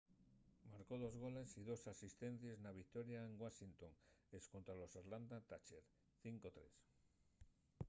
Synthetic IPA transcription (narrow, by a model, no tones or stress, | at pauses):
maɾko̞ð̞o̞zɣ̞o̞le̞siðo̞sasist̪e̞n̟θjeznaβ̞ik̚t̪o̞ɾjaeŋɡwasint̪o̞ŋesko̞nt̪ɾalo̞saɾland̪at̪at͡ʃeɾ | θiŋko̞t̪ɾe̞̰s